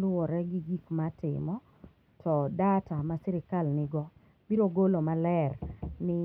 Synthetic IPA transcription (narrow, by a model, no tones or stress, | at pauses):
lʊɔɾɛɡɪɡikmatɪ̰mɔ | tʰɔdatamasɛɾɪkalnɪɡɔ | biɾoɡolomalɛrnɪ